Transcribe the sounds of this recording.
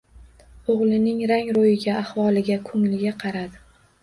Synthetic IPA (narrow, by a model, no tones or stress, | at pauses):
oʁlˠɪnɪŋɾaŋɾojɪɡʲaahvɒlˠɪɡʲakʰʊŋlɪɡʲaqʰɑɾad̪ɪ